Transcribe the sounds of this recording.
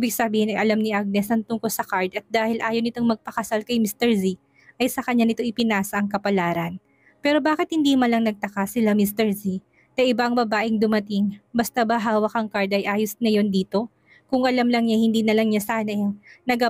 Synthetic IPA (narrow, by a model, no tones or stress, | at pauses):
ʔibɪɡ̚sɐbiːhɪnɐjʔɐlamnɪʔaɡ̚nɛsɐnt̪ʊŋkolsɐkaɹd̪ɐt̪̚d̪aːhɪlʔaːjownɪt̪oŋmɐɡ̚pɐkɐsalkɐjmist̪ɛɹzi | ʔɐjsɐkɐɲanɪt̪o̞ʔɪpɪnaːsɐʔɐŋkɐpɐlaːɾɐn | pɛːɾo̞baːkɪt̪̚hɪnd̪iːmɐlɐŋnɐɡ̚t̪ɐkasɪlamist̪ɛɹzi | nɐʔɪbaʔɐŋbɐbaːʔɪŋd̪ʊmɐt̪ɪŋbɐst̪abɐɦaːwɐkɐŋkaɹd̪ʔɐjʔaːjʊsnɐjo̞nd̪iːt̪o̞ | kʊŋʔɐlamlɐŋɲahɪnd̪iːnɐlɐŋɲasaːnɐnɐɡa